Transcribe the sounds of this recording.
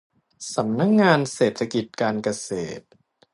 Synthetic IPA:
sa˩˦mna˦˥k̚ŋaː˧nseː˨˩t̪ʰːa˧ki˨˩t̪̚kaː˧nka˧seː˨˩t̪̚

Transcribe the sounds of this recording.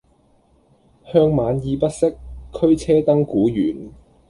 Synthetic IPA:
hœː˥˧ŋmaː˨˧njiː˨˧pɐ˥t̚sɪ˥kʰːɵ˥ɥt͡sʰɛː˥t̪ɐ˥ŋkuː˨˥jyː˨˩n

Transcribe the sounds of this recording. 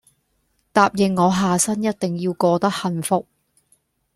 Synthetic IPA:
t̪aː˧p̚jɪ˨ŋːɔː˨˧ɦaː˨sɐ˥njɐ˥t̚t̪ɪ˨ŋjiː˧wkɔː˧t̪ɐ˥k̚hɐ˨˧nfʊ˨k̚

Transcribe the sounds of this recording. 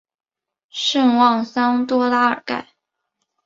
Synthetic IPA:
ʂə˥˧nwɑ˥˩ŋsɑ˥ŋt̪wɔ˥la˥ə̰˞˨˩ka̰˥˩ɪ

